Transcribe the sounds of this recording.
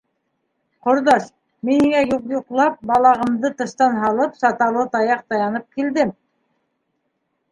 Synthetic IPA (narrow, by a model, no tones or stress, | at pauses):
qŏɾd̪ɑʃ | miniŋæjuqjuqlˠɑp̚bɑlˠɑʁɤ̆md̪ɤt̪ɤ̆ʃt̪ɑnɦɑlˠɤpsɑt̪ɑlˠɤt̪ɑjɑq̚t̪ɑjɑnɤp̚kild̪ɘm